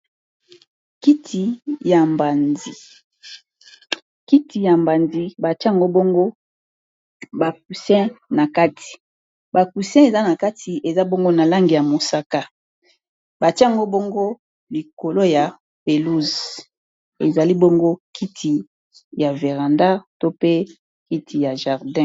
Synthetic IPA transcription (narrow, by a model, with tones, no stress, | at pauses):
ki˦tʰi˨ja˨mba˨ndi˨ | ki˦ti˨ja˨mba˨ndi˦ba˨ti˦˨ŋɡo˦bo˦ŋɡo˦ | ba˨k̚u˨sɛ̃˦na˨ka˦tʰi̥˨ | ba˨ku˨sɛ̃˦e˨za˦na˨ka˦tʰi˨ʔe˨za˦bo˦ŋɡo˦na˨la˦ŋɡi˨ja˨mo˨sa˦ka˦ | ba˨tjŋɡo˦bo˦ŋɡo˦ | li˨ko˨lo˦ja˨ | pe˨lu˦z | e˨za˨li˦bo˦ŋɡo˦kʰi˦tʰi˨ | ja˨ve˨ʁa˨nda˦to˦pe˦ | ki˦tʰi˨ja˨ʒa˨ʁdɛ̃˦